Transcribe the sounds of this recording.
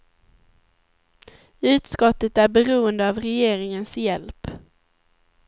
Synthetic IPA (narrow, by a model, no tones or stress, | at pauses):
ʉ̟ːt̪skɔt̪ːət̪æɾbɛɾuːənd̪əɑvɾɛjeːɾɪŋənsjɛlp